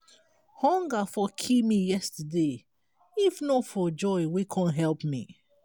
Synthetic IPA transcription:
hɔ̃ŋɡafɔkʰimijɛstəde | ifnofɔd͡ʒɔɪwikʰɔ̃nɦɛlpmḭ

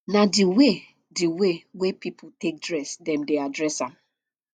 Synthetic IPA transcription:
nadiwe | diwewepipʰutek̚dɹɛsdɛ̃mdeadɹɛsãm

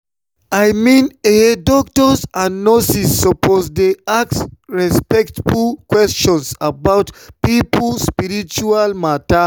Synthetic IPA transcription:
ajmĩnedɔk̚tɔsãnːɔsisːɔpozdeaksɹɛspɛktfulkwɛst͡ʃɔ̃nsabaʊtpiplspiɹit͡ʃualmata

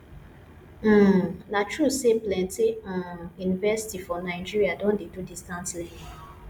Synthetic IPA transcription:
natɹuseplɛ̃nteãjunivɛsi̥tifɔnaɪd͡ʒiɹiadõndedudistãntlɛ̃n

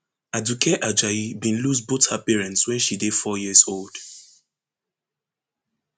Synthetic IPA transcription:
adukʰɛʔad͡ʒaibĩnlusbothapɛɹɛ̃ntswɛ̃nʃide̥fɔjiəzold̥

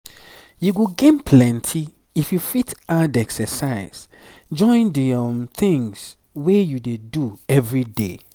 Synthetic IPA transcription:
juɡoɡẽnpʰlɛ̃ntʰi | ifjufitadɛksɛsaɪz̥ | d͡ʒɔ̃ɪ̃ndimθĩŋs | wejudeduɛvɹidḛ

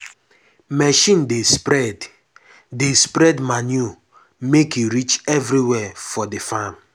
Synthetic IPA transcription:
mɛʃĩndespɾɛd | despɾɛdmanju | mekjuɾit͡ʃɛvɾiwɛfɔdefam

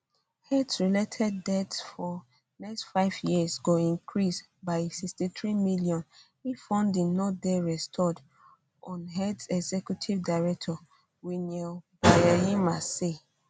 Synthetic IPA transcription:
hɛdsɹiletʰɛd̚ːɛtsfɔ | nɛkstfaɪvjisɡoĩŋkʰɹis | baɪsikstiθɹimilijɔ̃n | ifɔ̃ndĩnɔt̚dɛɹɛstʰɔd | ʔɔ̃nɦɛdsɛɡzɛkjutʰivdaɪɹɛk̚tʰɔ | winɛbajɛjimase

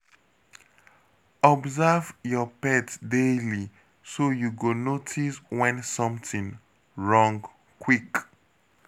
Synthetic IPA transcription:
ɔbzavjɔpɛtdeli | sojuɡonotʰiswɛ̃nsʌ̃mθĩŋ | ɹɔ̃ŋɡ | kwik

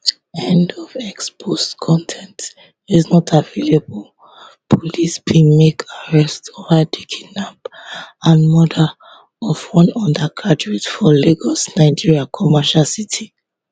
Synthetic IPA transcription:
ɛ̃ndɔvɛkspʰostkʰɔ̃ntʰɛ̃nt | iznɔtʰavelebɔl | pʰɔlisbĩmekʰaɹɛstovadikʰinãbãnmɔda | ɔvwɔ̃nɔ̃ndakʰadɹitfɔleɡɔsnaɪd͡ʒiɹiakʰɔmaʃalsitʰi

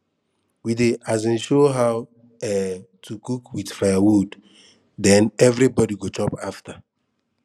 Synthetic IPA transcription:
wideʔazĩnʃoɦaʊ | ɛtʰukukwidfajawud | dɛ̃nɛvɾibɔdiɡot͡ʃɔpafta

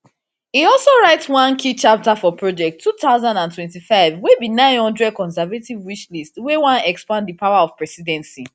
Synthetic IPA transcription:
hiɔlsoɹaɪtswãnkʰit͡ʃap̚tafɔpʰɹod͡ʒɛk̚tʰːutaʊzãndãntwɛ̃ntifaɪvwebinãɪ̃nhɔ̃ndɹɛd̚kɔ̃nsɛvativwit͡ʃlistwɛwãnɛkspãnddipawaɔvpɹɛsidɛ̃nsi

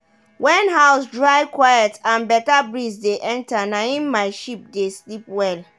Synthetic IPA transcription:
wɛ̃nɦaʊsdɹaɪkʰwajɛtãnbɛtabɾisdeʔɛ̃ntʰanãĩnmaɪʃip̚deslip̚wɛl

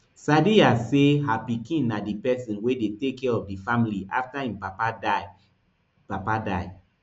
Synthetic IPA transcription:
sadiaseɦapikĩnnadipɛsĩnwedetekːɛɹɔfdifamiliʔa̰ftaĩmpapada | papada̰ɪ

